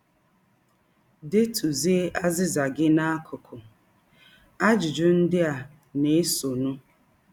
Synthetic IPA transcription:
de˦tʰu˨zi˦ʔa˦zɪ˦za˨ɡɪ˦na˦a˦kʰʊ˨kʰʊ˨ | a˦d͡ʒʊ˨d͡ʒʊ˦n̩˦dɪ˦a˨ | ne˦so˨nʊ˦

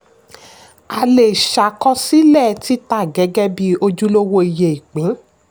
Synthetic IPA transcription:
a˧le˨ʃa˨kɔ˦si˦lɛ˦˨ti˨˦ta˦˨ɡɛ˨˦ɡɛ˦bi˦o˧d͡ʒu˦lo˦wo˧i˨je˨i˨k͡pĩ˨˦

